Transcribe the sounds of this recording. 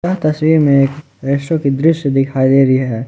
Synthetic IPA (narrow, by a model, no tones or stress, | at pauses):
aɦt̪ɐswiːɾmẽeːk | ɾɪʃokid̪ɾɪʃjəd̪ɪkʰaːid̪eːɾɦɛː